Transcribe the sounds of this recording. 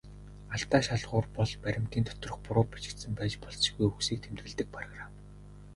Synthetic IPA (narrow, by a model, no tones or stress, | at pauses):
aɬt̪aːʃaɮʁʊːrpɔɮpæɾʲɪ̆mt̪iːnt̪ʰɔ̥t̪rɞ̆χpʊɾʊːpḁt͡ɕɪ̆kt̪sə̆mpæːt͡ɕpɔɮsɣujuksiːk̚t̪ʰemt̪ɣɘ̆ɮt̪ɘ̆k̚pʰrɔɣram